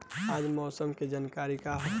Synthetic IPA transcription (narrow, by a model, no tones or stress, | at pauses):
aːd͡ʒmɔːsəmked͡ʒaːnkaːɾikaɦ